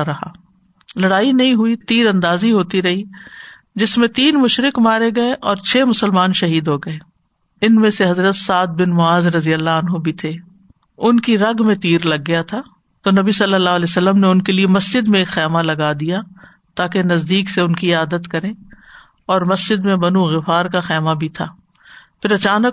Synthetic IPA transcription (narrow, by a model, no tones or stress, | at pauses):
ɾɐɦa̰ː | lɐɽaːinɐɦĩɦʊit̪iːɾɐ̃nd̪aːziɦoːt̪iɾɐɦi | d͡ʒɪsmẽt̪iːnmʊʃɾɪkmaːɾeɡɐeʔɔːɾt͡ʃʰeːmʊsəlmaːnʃɐɦiːd̪ɦoɡɐeː | ɪnmẽseɦɐzɾət̪saːd̪̚bɪnmʊaːzɾɐzijəlːaɐnɦobʱit̪ʰeː | ʊnkiɾɐɡmẽt̪iːɾlɐɡːɐjat̪ʰaː | t̪oːnɐbisɐlːəlːaːɦlɛːsɐlːəmneʊnkeliemɐsd͡ʒɪd̪mẽeːkxɛːmalɐɡad̪ija | t̪aːkenɐzd̪iːkseʊnkiaːd̪ət̪kɐɾẽː | ɔːɾmɐsd͡ʒɪd̪mẽbɐnũɣɪfaːɾkaxɛːmabʱit̪ʰa̰ː | pʰɪɾɐt͡ʃaːnək